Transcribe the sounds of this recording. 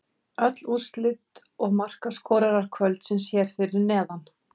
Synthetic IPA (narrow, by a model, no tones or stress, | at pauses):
œt̪lust̪lɪt̪ | ɔɣmar̥kaskɔːɾaɾaɾ̥kʰvœlt̪sɛmsjɛɾ̥fɪɾɪɾnɛːðan